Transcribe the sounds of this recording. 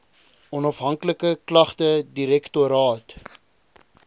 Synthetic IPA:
ɔnɐfɦɐŋkləkəklɐχtədiɾɛktuɾɑːt

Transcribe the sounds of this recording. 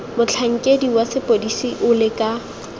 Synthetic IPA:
mʊt͡ɬʰaŋ̩kʼediwasɪpʼodisiʔʊlɪkʼa

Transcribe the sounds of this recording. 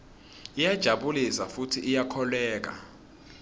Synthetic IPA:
ijad̥ʒ̥ʱaɓulisafutʰiʔːjakʰɔlɛːk̬a̰

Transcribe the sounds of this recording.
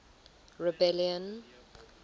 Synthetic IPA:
ɹɛbɛljə̃n

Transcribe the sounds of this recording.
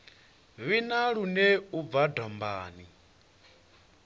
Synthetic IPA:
βinaɺuneuvadɔmbaːni

